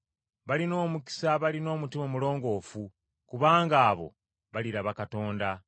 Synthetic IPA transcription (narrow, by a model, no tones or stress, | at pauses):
βalino̞ːmuki̥saβalino̞ːmutimomulo̞ːŋɡo̞ːfu | kuβaːŋɡaːβo̞̰ | βaliɾaβakato̞ːnda